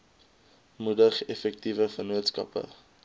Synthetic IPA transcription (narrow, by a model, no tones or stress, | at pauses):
mudəχɛfɛk̚tivəfənuətskɐ̰pə̰